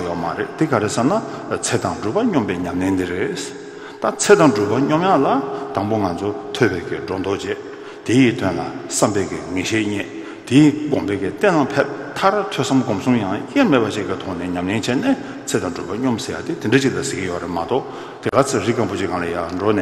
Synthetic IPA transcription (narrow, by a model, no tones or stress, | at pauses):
jømaɾḛʔt̪ikaɾesanat͡sʰet̪aŋʈ͡ʂuːpaɲɔmpɛːɲamlent̪ireʔ | t̪at͡sʰet̪aŋʈ͡ʂuːpaɲɔmjalat̪aŋpoŋant͡sʰot̪ʰøʔpɛːkiɖ͡ʐɔt̪ɔt͡ɕɛ | t̪ejit̪ʰønla̰sampɛːkiŋeɕeːʔɲɛ | t̪ikɔŋpɛːkit̪ɛnlapʰep̚t̪ʰaɹat̪ʰøsamɡɔmsuŋjaŋjemepat͡ɕiʔkit̪ʰɔnɛːɲamlent͡ɕʰɛnɛ | t͡sʰet̪aʈ͡ʂupaɲɔmsejat̪it̪iɖ͡ʐet͡ɕiʔlasekijørḛmat̪ɔʔ | t̪ekat͡sʰriʔkaŋpot͡ɕikaŋlajaːɳɖ͡ʐonɛː